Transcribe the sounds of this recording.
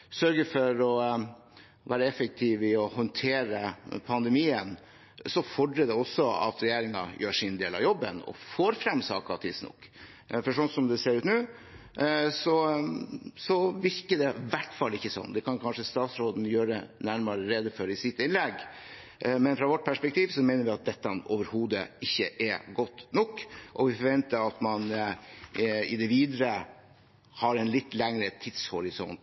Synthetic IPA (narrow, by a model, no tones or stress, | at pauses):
sœɾɡəfɔɾɔ | ʋæːɾəɛfək̚t̪ʰɪʋɪɔhɔnt̪ʰeːɾəpʰɑnd̪ɛmiːən | sɔfɔɖɾəd̪ɛɔsːɔɑ̰t̪ɾɛjeːɾɪŋɑ̰jøːʂɪnd̪eːlɑ̰ʋjɔbːənɔ̰foːɾfɾɛmsɑ̰ːkɑ̰t̪ʰɪsnɔ̰kː | fɔʂɔnsɔmd̪ɛseːɾʉːt̪nʉː | sɔ | sɔʋɪɾkəd̪ɛʋæʈfɑlːɪçːəsɔ̰nːd̪ɛkʰɑnkʰɑnʂəst̪ɑːt̪sɾoːd̪n̩jøːɾənæɾmɑɾəɾed̪əfɔɾɪsɪt̪ɪnlɛɡː | mɛnfɾɑʋɔʈ̚ːpʰæʂpɛk̚t̪ʰiːʋsɔmɛɪnəɾʋɪɑt̪̚d̪ɛt̪ːɑoːʋəɾhuːd̪əɪçːə̰ʔɛɡɔt̪ːnɔkːʔɔʋɪfɔɾʋɛnt̪əɾɑt̪mɑn | ɪd̪ɛʋiːd̪əɾə | hɑɾɛnlɪt̪ːlɛŋɾət̪ʰɪd̪shɔɾɪsɔnt̪